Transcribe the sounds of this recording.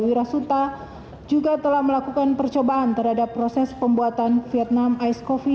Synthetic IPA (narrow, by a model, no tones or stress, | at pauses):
wiɾasut̪a | d͡ʒuɡat̪əlahməlakukanpərt͡ʃobaʔːnt̪ərhadapːɾosɛspəmbuat̪anfiɛt̪̚namajskofi